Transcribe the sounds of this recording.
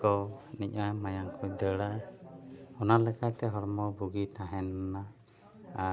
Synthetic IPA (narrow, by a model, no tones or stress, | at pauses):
kɔnic̚namajaŋkʰɔd̪əɽaj | ɔnalɛkat̪ɛɦɔɾmɔbuɡit̪ãɦɛnnaː